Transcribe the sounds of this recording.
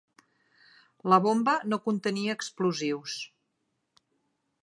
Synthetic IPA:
ləβombənokunt̪əniəːkspluziws

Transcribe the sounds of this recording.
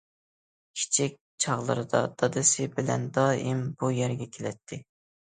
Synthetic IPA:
kʲʰi̥t͡ʃʰik̚ʲ | t͡ʃʰɑʁlˠɨ̰ɾɨd̪ɑ̰d̪̥ɑd̪ɨsɪbɪlɛ̰nd̪ɑːimbujɛɾɡʲɛkʲʰelɛt̪ʰːɪ

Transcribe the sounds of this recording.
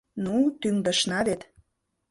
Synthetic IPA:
nut̪yŋd̪ə̆ʃnɑβet̪

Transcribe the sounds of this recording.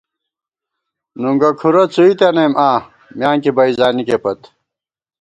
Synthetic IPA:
nuŋɡɐkʰuɾot͡suit̪enemʔaː | mjaːŋkibɐizaːnikepɐt̪

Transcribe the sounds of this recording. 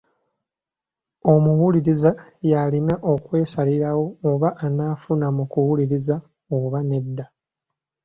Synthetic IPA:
o̞muwuliɾizajalinaʔo̞kwe̞ːsaliɾawo̞ːβaʔːnaːfunamukuwuliɾiza | oβane̞dːa

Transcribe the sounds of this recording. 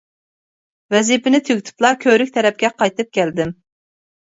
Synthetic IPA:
vɛzipɪnɪt̪ʰøɡʲt̪ʰy̥plˠɑɾkʲʰøɾykʲt̪ʰɛɾɛp̚kʲɛqʰɑjt̪ɨp̚kʲʰɛld̪ɪm

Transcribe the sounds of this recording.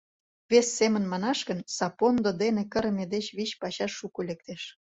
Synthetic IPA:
βesːemə̆nmɑnɑʃkə̆nsɑpond̪od̪enekə̆ɾəmʲed̪et͡ɕβiɕpɑɕɑʃːukolʲek̚t̪eʃ

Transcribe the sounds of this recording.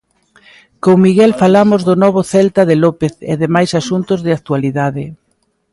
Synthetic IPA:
koŋmiɣɛlfalamʊzðʊnɔβ̞ʊθɛlt̪aðɪlɔpeθḛðemajsasunt̪ʊzðɪak̚t̪ualiðaðɪ

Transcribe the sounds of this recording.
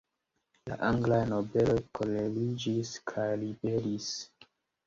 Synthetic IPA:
la̰ʔaŋɡlajnobe̞lo̞jkolelid͡ʒiskʰajlibe̞ɾis

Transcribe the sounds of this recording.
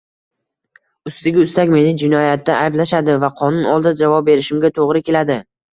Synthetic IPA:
ʊst̪ɪɡʲɪʊst̪akʲme̞nɪd͡ʒɪnɒjat̪ːaʔajblaʃad̪ɪvaqʰɒnʊnɒlˠd̪ad͡ʒavɒp̚be̞ɾɪʃɪmɡʲat̪ʰoʁɾɪkʲe̞lad̪ɪ

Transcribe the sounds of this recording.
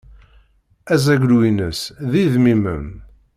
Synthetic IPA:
æzæɡlwinəsðiðmimə̰m

